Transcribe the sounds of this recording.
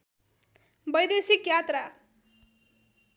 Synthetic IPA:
bʌjd̪esikjat̪ra

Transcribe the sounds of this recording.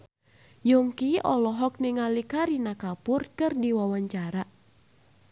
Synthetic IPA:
jɔŋkiʔɔ̰lɔɦɔk̚niŋalikaɾinakapʊrkɨrdiwawaɲt͡ʃaɾa

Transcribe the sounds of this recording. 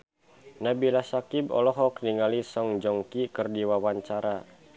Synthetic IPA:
nabilasakibɔ̰lɔɦɔk̚niŋalisɔŋd͡ʒɔŋkikərdiwawaɲt͡ʃaɾa

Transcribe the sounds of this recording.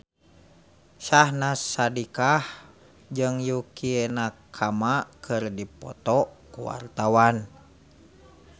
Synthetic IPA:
ʃahnasadikah | d͡ʒɨŋjukienakʰamakɨrdipɔ̰t̪ɔkuwa̰rt̪awan

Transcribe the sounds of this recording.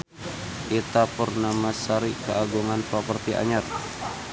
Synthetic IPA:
ʔit̪apərnamasaɾikəʔaɡuŋanpapərt̪iʔa̰ɲar

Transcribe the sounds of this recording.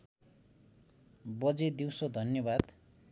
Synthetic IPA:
bʌd͡zed̪iwsod̪ʱʌnjʌbad̪

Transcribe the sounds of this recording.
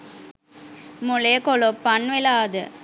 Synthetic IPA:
mulekolopːɐnʋelaːd̪ə

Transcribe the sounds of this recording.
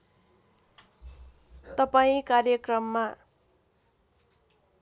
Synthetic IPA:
t̪ʌpaĩkarjʌkrʌmːa

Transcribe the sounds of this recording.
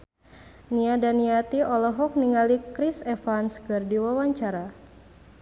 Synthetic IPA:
niadaniat̪iʔɔlɔɦɔk̚niŋalikɾisɛfanskɨrdiwawaɲt͡ʃaɾa

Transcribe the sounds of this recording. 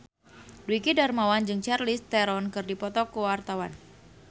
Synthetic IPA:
duwikidarmawand͡ʒɨŋt͡ʃɛrlist̪ɛɾɔnkɨrdipɔt̪ɔkuwart̪awan

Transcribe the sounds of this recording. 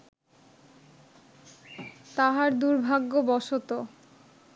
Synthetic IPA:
t̪aɦaɾd̪uɾbʱaɡːobɔʃot̪o

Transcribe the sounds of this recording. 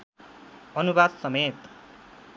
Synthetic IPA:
ʌnubad̪sʌmet̪

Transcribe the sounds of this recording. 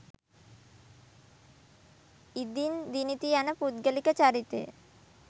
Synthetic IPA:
id̪ind̪init̪ianəpud̪̚ɡəlikət͡ʃaɾit̪ḛ

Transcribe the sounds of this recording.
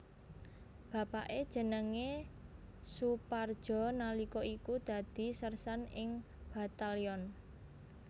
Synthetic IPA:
b̥a̤paʔed̥ʒ̥ə̤nəŋe | supard̥ʒ̥ɔ̤nalikɔikud̪̥a̤d̪̥i̤sərsanɪŋ | b̥a̤t̪aliɔn

